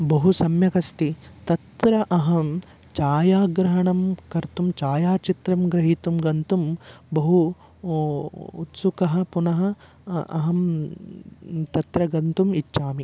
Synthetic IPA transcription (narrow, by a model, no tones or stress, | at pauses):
bɐɦusɐmjɐkɐst̪it̪ɐt̪ɾɐʔɐɦɐm | t͡ʃaːjaːɡɾɐɦɐɳɐmkɐɾt̪umt͡ʃaːjaːt͡ʃit̪ɾɐmɡɾɐɦit̪umɡɐnt̪umbɐɦu | t̪sukɐɦɐ̆punɐɦɐ̆ | ɐ̰ɦɐm | t̪ɐt̪ɾɐɡɐnt̪umit͡ʃːʃaːmi